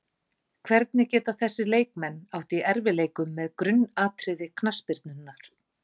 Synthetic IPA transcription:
kʰvɛɾt̪nɪcɛːt̪aθɛsːɪleːjkmɛnːawht̪iʔɛɾvɪleːjkʏmːɛðkɾʏnːaːt̪ɾɪðɪkʰnaspɪɾt̪nʏnːaɾ̥

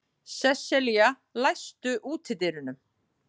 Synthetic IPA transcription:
sɛsɛlija | lajst̪ʏʔuːt̪ʰɪt̪ɪːɾʏnʏm

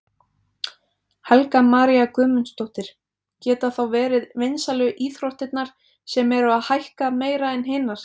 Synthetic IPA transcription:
hɛlkamaːɾiakœːmʏnst̪owht̪ɪɾ̥ | cɛːt̪aθawvɛːɾɪðvɪnsalʏʔiːθɾowht̪ɪt̪naɾ̥ | sɛmɛɾʏaðhajhkameːjɾaɛnɦɪːnaɾ̥

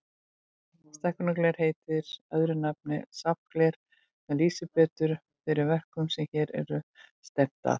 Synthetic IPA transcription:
st̪ɛhkʏnaklɛɾ̥heːjt̪ɪɾ̥œðɾʏnap̚nɪsap̚klɛɾ̥ | mɛliːsɪpɛːt̪ʏɾ̥ | fɪɾɪɾvɛr̥kʏmsɛmçɛːɾɛ̰ɾʏst̪ɛp̚t̪a̰θ

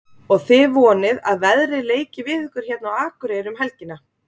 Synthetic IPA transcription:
ɔɣθɪvɔːnɪðaðvɛðɾɪleːjcɪvɪðhʏhkʏɾ̥çɛt̪nawaːkʏɾejɾʏmɦɛlcɪnːa

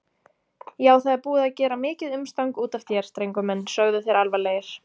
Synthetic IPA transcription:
jaːwθaðɛɾpuːɪaðcɛːɾamɪːcɪðʏmst̪awŋkuːt̪aft̪ʰjɛɾ̥st̪ɾejŋkʏmɛnːsœɣðʏθejɾalvaleːjɪɾ̥

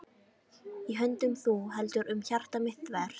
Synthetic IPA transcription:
iɦœnt̪ʏmθuɦɛlt̪ʏɾʔʏmçar̥t̪amɪht̪vɛɾ̥

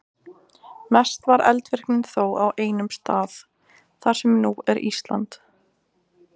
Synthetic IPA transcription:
mɛst̪vaɾɛ̰lt̪vɛr̥knɪnθowawʔeːjnʏmst̪aːð | θaɾ̥sɛmnuɛɾḭst̪la̰nt̪

